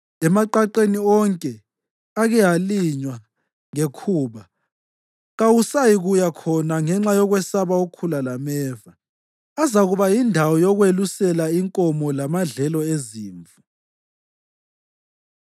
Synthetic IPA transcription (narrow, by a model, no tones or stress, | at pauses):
ɛmaǃaǃeniɔŋkʼɛ | aɣɛɦaliɲwa | ŋekʰuːβa | ɣawusajiɣujakʰɔnaŋɛŋ͡ǁajɔɣwɛsaβaukʰulalamɛːva | azaɣuβajindʱawɔjɔɣwelusɛlaiŋkʼɔmɔlamaɮɛlɔeziːɱvu